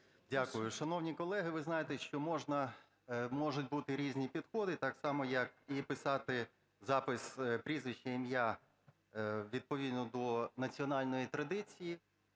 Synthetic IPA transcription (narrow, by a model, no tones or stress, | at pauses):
dʲakʊjʊʃɐnɔwnʲikɔlˠɛɦɪʋɪznɑjet̪ɛʃt͡ʃɔmɔʒnɐ | mɔʒʊtʲbut̪ɪɾʲizʲnʲipʲid̪xɔd̪ɪt̪ɑksɑmɔjɐkipɪsɑt̪ɪ | zɑpɪspɾʲizʋɪʃt͡ʃɛimja | ʋʲid̪̚pɔʋʲid̪nɔd̪ɔnɐt͡sʲiɔnɑlʲnɔjit̪ɾɐd̪ɪt͡sʲiji